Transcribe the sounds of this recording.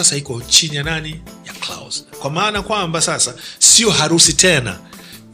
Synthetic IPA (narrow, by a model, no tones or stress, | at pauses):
asahikɔt͡ʃinijananijakla̰wzkwamaːnakwambasasasiɔɦaɾusitɛna̰